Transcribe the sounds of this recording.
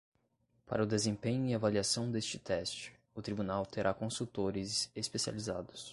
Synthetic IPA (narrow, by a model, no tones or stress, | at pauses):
pa̰ɾɐʊd̪ezẽpẽɲʊiavaliasɐ̃w̃d̪est͡ʃɪt̪ɛst͡ʃɪ̥ | ʊt̪ɾibunawt̪eɾʔakõsut̪oɾɪzespesia̰lizad̪ʊs